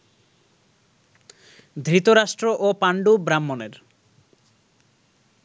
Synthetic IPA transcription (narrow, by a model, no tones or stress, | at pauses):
d̪ʱɾit̪oɾaʃʈɾoʔopaɳɖubɾamːoneɾ